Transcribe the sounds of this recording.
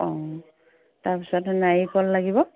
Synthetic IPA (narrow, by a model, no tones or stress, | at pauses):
ɔ | taɹpisɔtnajkɔlːaɡibɔ